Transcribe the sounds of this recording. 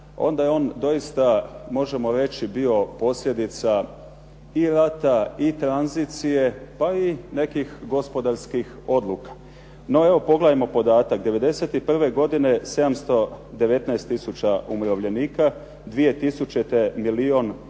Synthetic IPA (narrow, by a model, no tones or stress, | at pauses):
o̞̰nd̪ajeo̞ːnd̪o̞ist̪amo̞ʒe̞mo̞ɾe̞t͡ɕibio̞po̞sʎʲe̞d̪it̪sa | iɾat̪ait̪ɾanzit̪sije̞paine̞kixɡo̞spo̞d̪aɾskix | o̞d̪lˠukḁ | no̞e̞ʋo̞po̞ɡlejmo̞po̞d̪aːt̪akd̪e̞ʋe̞d̪e̞se̞t̪ipr̩ʋe̞ɡo̞d̪ine̞se̞d̪amst̪o̞d̪e̞ʋe̞t̪naest̪ːisut͡ɕaumɾoʋʎe̞niːka | d̪ʋije̞t̪isut͡ɕet̪emilio̞n